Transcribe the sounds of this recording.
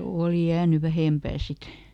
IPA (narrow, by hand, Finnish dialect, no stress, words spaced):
oˑli jæːny ʋæhempæː sit